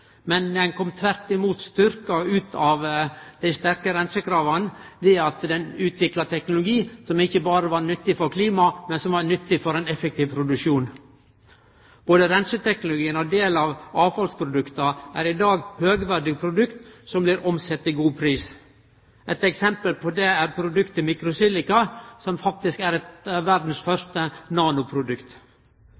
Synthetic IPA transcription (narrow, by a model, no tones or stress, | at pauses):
mɛnd̪ænkʰɔmt̪ʰʋæɾt̪ɪmuːt̪st̪ʏɾkɑʉːt̪ʰɑʋd̪æɪst̪æɾkəɾɛnsəkʰɾɑːʋɑnd̪ɛɑt̪d̪ɛnʉːt̪ʰʋɪklɑt̪ʰɛknʊlʊɡiːsɔmɪçːəbɑːɾəʋɑɾnʏt̪ːɪfɔɾkʰliːmɑmɛnsɔmʋɑɾnʏt̪ːɪfɔɾɛɪnɛfɛk̚t̪ʰiːʋpʰɾʊd̪ʉʂuːn | b̥oːd̪əɾɛnsət̪ʰɛknʊlʊɡiːənɔd̪eːlɑːʋɑːfɑlspʰɾʊd̪ʉkt̪ɑʔæ̰ɾɪd̪ɑːɡhøːɡʋæɖɪpʰɾʊd̪ʉkt̪sɔmblɪɾɔmsɛt̪ːiɡuːpʰɾiːs | ʔɛt̪ɛksɛmpəlpʰɔd̪ɛæɾpʰɾʊd̪ʉkt̪ɪmɪkɾʊsiːlɪkɑsɔmfɑk̚t̪ɪskæɾɛt̪ʋæɾd̪n̩sfœʂt̪ənɑːnʊpʰɾʊd̪ʉkt̪